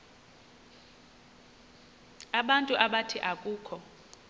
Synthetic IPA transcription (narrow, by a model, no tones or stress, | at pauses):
aɓantʼuʔaɓatʰiʔakʼuːkʰɔ